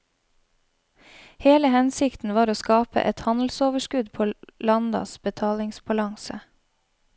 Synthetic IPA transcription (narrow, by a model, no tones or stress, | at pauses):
heːləhɛnsɪkt̪n̩ʋɑːɾoːskɑːpə̰ʔɛt̪hɑnl̩soːʋəʃkʉd̪pʰoːlɑnd̪ɑ̰sbət̪ʰɑːlɪŋsbɑlɑŋsə